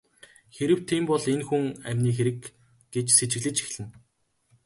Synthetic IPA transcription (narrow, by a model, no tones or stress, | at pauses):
xeɾɘ̆w̥t̪ʰiːmpɔɮenxuŋæmʲniːx̬eɾɘ̆k | ɡ̥et͡ɕset͡ɕɪ̆ɣɮɘ̆t͡ɕi̥xɮɘ̆n